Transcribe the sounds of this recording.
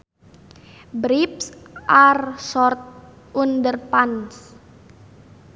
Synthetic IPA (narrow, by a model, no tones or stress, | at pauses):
bɾipsʔarsɔrt̪̚ | undərpans